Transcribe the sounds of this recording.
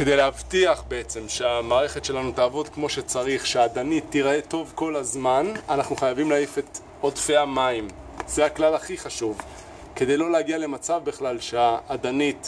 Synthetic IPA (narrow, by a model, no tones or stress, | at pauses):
ke̞de̞jleavtiaχbe̞et͡se̞mʃe̞amaːʁe̞χe̞tʃe̞lanut̪aːvo̞d̪kmo̞ʃe̞t͡saʁiχʃeaːd̪anitːiʁe̞to̞vko̞lazmananaχnuχajavimlaife̞t̪ | odfe̞amaim | zeaklalaχiχaʃuv | ke̞d̪e̞jlo̞leaɡiale̞mat͡savbiχlalʃeaːd̪anit